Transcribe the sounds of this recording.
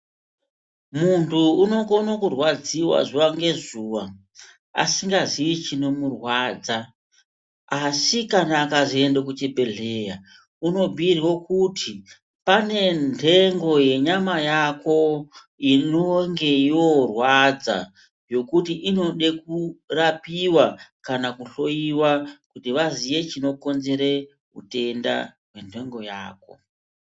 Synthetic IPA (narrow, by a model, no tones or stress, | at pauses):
muntʰuːno̞konokurwad͡ziwa̰zuwaŋɡe̞zuwa | a̰siŋɡaziit͡ʃino̞murwaːd͡za | asikanaːkaʐiendek̬ut͡ʃebʱe̞ɮeja | uno̞bʱiirwokutʰi | pane̞ntʰe̞ŋɡo̞je̞ɲamajako̞ | inoŋɡe̞iorwad͡za̰ | jo̞kutiʔino̞ɗekurapiwakanakuɬo̞iwakutiʋaziʋe̞t͡ʃino̞ko̞nze̞ɾe | ṵte̞nda̰ɦwe̞ntʰe̞ŋɡo̞ja̰ːko̞̰